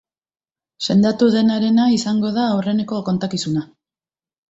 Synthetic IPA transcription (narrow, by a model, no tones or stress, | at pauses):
se̞nd̪at̪uðe̞naɾe̞naisaŋɡo̞ðaːwre̞ne̞ko̞ko̞nt̪akisuna